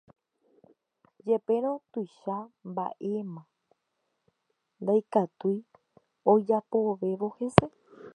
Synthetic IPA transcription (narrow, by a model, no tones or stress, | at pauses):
d͡ʒe̞pe̞ɾ̃õ̞t̪ujʃamba̰ʔe̞mã | nd̪ajkat̪uj | o̞d͡ʒapoʋe̞ʋo̞he̞se̞